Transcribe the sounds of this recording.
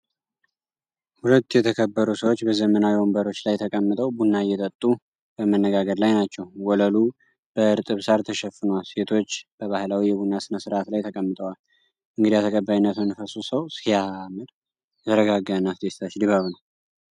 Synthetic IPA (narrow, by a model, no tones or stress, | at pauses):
hulət̪ːjɛt̪ʰəkʰəbːəɾusəwo̞t͡ʃːbəzəmənawiombəɾo̞t͡ʃːlajt̪ʰəkʼəmːɨt̪ʼəwbunːajːɛt̪ʼət̪ʼːu | b̥əmənːəɡaɡəɾlajnat͡ʃːɛwwɔləlu | b̥əɨɾt̪ʼɨβsaɾt̪ʰəʃɛfːɨnwalse̞t̪ʰo̞t͡ʃːb̥əβahɨlawijɛbunːasɨnəsɨɾʔat̪lajt̪ʰəkʼəmːɨt̪ʼəwal | ʔɨŋɡɨd̪ijat̪ʰəkʼəbːajinːət̪nɨfəsusəwsijamɨd̪ | jɛt̪ʰəɾəɡaɡːanːaft̪ʰest̪ʰat͡ʃd̪iβaβnəw